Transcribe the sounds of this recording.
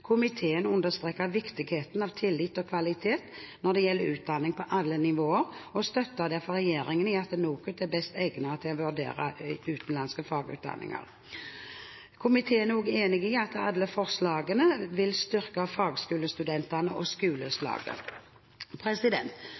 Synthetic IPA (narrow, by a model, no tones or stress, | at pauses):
kʰʊmɪt̪ʰeːənʉnd̪əst̪ʁeːkəʋɪkt̪ɪɡheːt̪nɑʋt̪ʰɪlːɪt̪ːɔkʰʋɑlɪt̪ʰeːt̪nɔʁd̪ɛjɛlːəɾʉːt̪̚d̪ɑnːɪŋpʰɔʔɑlːənɪʋoːəɾɔst̪œt̪ːəd̪ɛfɔʁɛjeːɾɪŋənɪɑt̪nuːkʉt̪æbɛst̪ɛɡnət̪ʰɪɔʋʉɖ̪ḛːʁə̰ʉːt̪ən̩lɑnskəfɑːɡʉ̰ːt̪̚d̪ɑ̰nːɪ̰ŋɑ̰ʁ | kʰʊmɪt̪ʰeːɛnuːɡeːnɪɡɪɑt̪ɑlːəfɔʁslɑːɡənəʋɪlst̪ʏɾkəfɑːɡskʉːləst̪ʉd̪ɛnt̪ənəʔɔskʉːləslɑ̰ːɡə̰ | pʰɾɛsɪd̪ɛnt̪